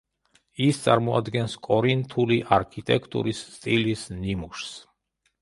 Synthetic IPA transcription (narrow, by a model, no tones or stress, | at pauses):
ist̪sʼaɾmɔa̰d̪ɡɛnskʼɔɾint̪ʰuliʔaɾkʰit̪ʼɛkʰt̪ʼṵɾissːt̪ʼilisnimuʃs